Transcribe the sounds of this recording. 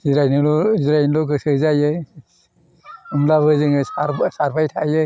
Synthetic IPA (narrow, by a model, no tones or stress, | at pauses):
ziɾajnɯlɔziɾajnlɔk̬ɯsɯzajɯ | umlaβɯzɯŋɯsaɾsaɾpajtʰajɯ